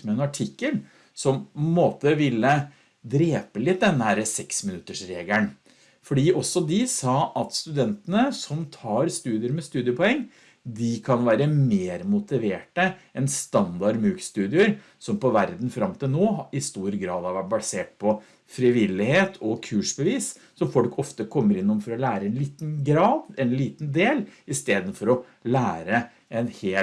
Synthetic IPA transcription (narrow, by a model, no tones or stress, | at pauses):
mɛɛnɑʈʰɪkːəl | sɔmpʰɔnmoːt̪əʋɪlːə | d̪ɾeːpəlɪt̪̚d̪ɛnːəhæɾəsɛksmɪnʉt̪ːəʂɾeːɡləɳ | fɔɖiːʔɔsːɔd̪ɪsɑːʔɑt̪st̪ʉd̪ɛnt̪ənəsɔmt̪ʰɑːɾst̪ʉːd̪ɪəɾmɛst̪ʉːd̪ɪəpʰɔɛŋː | d̪ɪkʰɑnʋæːɾəmeːɾmʊt̪ɪʋeːʈəɛnst̪ɑnd̪ɑɾmʉːkst̪ʉːd̪ɪəɾ | sɔmpɔʋæɾd̪n̩fɾɑmt̪ʰɪlnoːɪst̪uːɾɡɾɑ̰ːd̪hɑɾʋæʈ̚bɑseːʈ̚pʰɔ | fɾɪʋɪlːɪheːt̪ʰɔkʰʉːʂbəʋiːs | sɔmfɔlkʰɔft̪əkʰɔmːəɾɪnːʊmfɔɾɔlæːɾəɛnliːt̪nɡɾɑːd̪ɛnliːt̪nd̪eːlɪst̪eːd̪ən̩fɔɾɔ | læːɾə | ɛnheː